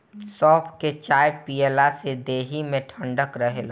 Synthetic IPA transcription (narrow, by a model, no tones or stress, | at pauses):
sɔːpʰket͡ʃaːjpielased̪eːɦimẽʈʰə̃ɳɖəkɾəɦel